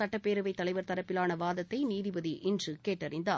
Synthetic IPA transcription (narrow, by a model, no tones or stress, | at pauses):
ɐʈːɐpːeːɾɯʋɐɪt̪ːɐlɐɪʋɐɾt̪ɐɾɐpːɪlaːnɐʋaːðɐt̪ːɐɪniːðɪʋɐðiʔɪndrɯkeːʈːɐɾɪnd̪aː